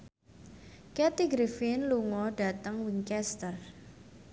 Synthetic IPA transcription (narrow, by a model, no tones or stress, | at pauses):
kɛt̪iɡɾifɪnluŋɔɖ̥a̤t̪əŋwiŋkɛst̪ər